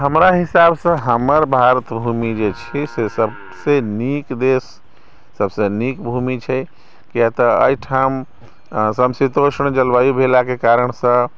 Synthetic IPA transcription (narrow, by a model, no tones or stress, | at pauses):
ɦəmɾaɦisabsə̃ɦəməɾbʱaɾət̪bʱumid͡ʒet͡ʃʰisesəb | senikd̪esː | əbsenikbʱumit͡ʃʰɛ | kijat̪əə̰iʈʰam | səmsit̪osəɳ̃d͡ʒəlbajubʱelakekaɾəɳsə̃